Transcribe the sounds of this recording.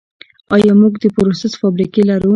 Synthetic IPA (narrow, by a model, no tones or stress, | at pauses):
ɑjɑmuɡd̪əpʊɾosɪsfɑbɾikelaɾu